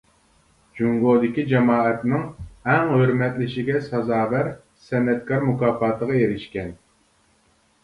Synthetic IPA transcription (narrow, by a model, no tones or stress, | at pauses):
d͡ʒuŋɡod̪ɪkʲid͡ʒɑmɑːɛt̪nɪŋɛŋhøɾmɛt̪lɪʃɪɡʲɛsɑzɑːvæɾ | sɛnːɛt̪kʰɑɾmukɑːfɑːt̪ʰəʁɑjeɾɪʃkʲɛn